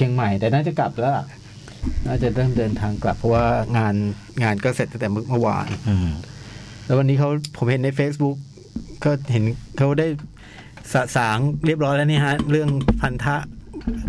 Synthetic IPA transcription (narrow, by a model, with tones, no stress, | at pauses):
i˧əŋma˨˩jt̪ɛː˨˩naː˥˩t͡ɕa˨˩kla˨˩p̚lɛ˦˥a˨˩ | naː˥˩t͡ɕa˨˩ɾɤː˥˩mdɤː˧nt̪ʰaː˧ŋkla̰˨˩pʰːɔ˦˥waː˥˩ŋaː˧n | ŋaː˧nkɔː˥˩se˨˩t̪ːa˥ŋt̪ɛ˨˩mɯ˥˩mɯ˥˩wa̰ː˧n | lɛ˦˥wa˧nːiː˦˥kʰa˦˥wpʰo˩˦mhe˨˩˦nːa˧jfeː˦˥s̚bu˦˥k̚ | kɔː˥˩ɦe˩˦nkʰa˦˥daː˥˩j | sa˨˩saː˩˦ŋɾi˥˩əp̚ɾɔː˦˥jlɛ˦˥niː˥˩ka˦˥ʔɾɯ˥˩əŋpʰa˧nt̪ʰa˦˥ʔ